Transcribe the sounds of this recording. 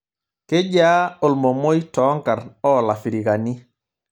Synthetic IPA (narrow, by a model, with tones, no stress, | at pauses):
ke˦ɟaː˦o˨lmo˨mo˦jtɔ˦ŋka˨ɾɔː˦la˨fi˨ɾi˨ka˨ni˦